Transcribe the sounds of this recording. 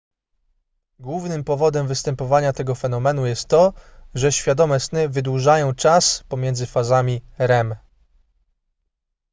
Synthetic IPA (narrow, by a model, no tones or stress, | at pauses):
ɡwuvnɘmpɔvɔd̪ɛmvɘst̪ɛmpɔvaɲat̪ɛɡɔfɛnɔmɛn̪ujɛst̪ːɔʐɛɕfʲjad̪ɔmɛsnɘvɘd̪wuʐajɔ̃w̃t͡ʂaspɔmʲjɛnd̪zɘfazamʲiɾɛm